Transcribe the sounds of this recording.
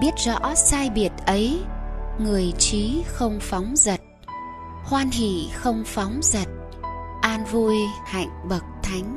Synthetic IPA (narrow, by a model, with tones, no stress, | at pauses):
ɓi˦˥ət̚zɔ̰˧˥saː˧jɓi˨˩ət̚ʔə˨˦j | ŋɨ˨˩əjt͡ɕi˨˦xə˧wŋ͡mfa˨˦wŋ͡mzə˨˩t̚ | hwaː˧nhḭ˧˨xə˧wŋ͡mfa˨˦wŋ͡mzə˨˩t̚ | ʔaː˧nvu˧jha̰˧˨jŋ̟ɓə˨˩k̚t̪ʰa˨˦jŋ̟